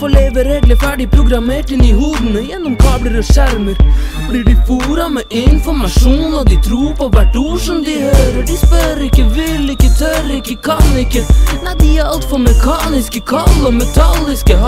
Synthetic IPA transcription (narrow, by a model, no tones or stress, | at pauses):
fɔɭeːʋəɾeːɡ̪ləfæɖɪpʰɾʊɡɾɑmeːʈɪnɪhuːd̪ənəjɛnːɔmkʰɑːbləɾɔʂæɾməɾblɪɖɪfuːɾɑmɛʔɪnfɔɾmɑʂuːnɔd̪ɪt̪ʰɾuːɾpʰɔʋæʈuːʂɔmd̪ɪhøːɾəɖɪspœɾɪkːəʋɪlːɪkːət̪ʰœɾɾɪkːəkʰɑnɪkːənæɪd̪ɪæɾɑlt̪fɔmɛkʰɑːnɪskəkʰɑlːɔmɛt̪ʰɑlɪskə